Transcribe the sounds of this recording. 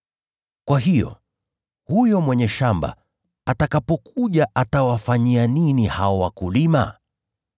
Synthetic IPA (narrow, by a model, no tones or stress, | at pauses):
kwaɦijɔ̰ | hujɔmwɛɲɛʃamba̰ | atakapɔkʰuʄaʔatawafaɲianinihaɔwakulima̰